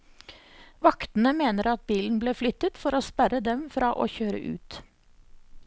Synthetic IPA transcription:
ʋɑkt̪n̩əmeːnəɾɑt̪̚biːln̩bleːflʏt̪ət̪fɔɾoːspæɾəd̪ɛmfɾɑːʔo̰ːçøːɾə̰ʔʉ̰ːt̪

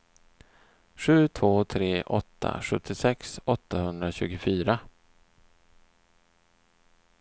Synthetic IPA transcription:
ɧʉ̟ːt̪ʰvoːt̪ʰɾeːʔɔt̪ʰːa̰ɧɵt̪ʰːɪsɛksɔt̪ʰːahɵnd̪ɾaɕʉ̟ːɡʊfyːɾa

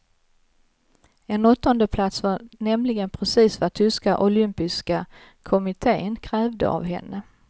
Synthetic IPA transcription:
ɛnɔt̪ːɔnd̪əpʰlat̪svanɛmlɪɡənpʰɾɛsiːsvat̪ʰʏskaʔʊlʏmpɪska | kʰɔmɪt̪ʰeːənkʰɾɛːvd̪ə̰a̰vɦɛ̰nːə

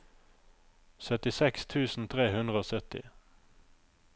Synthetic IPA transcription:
sœt̪ɪsɛkst̪ʰʉːsn̩t̪ʰʁeːhʉnd̪ʁəoːsœt̪ɪ̰

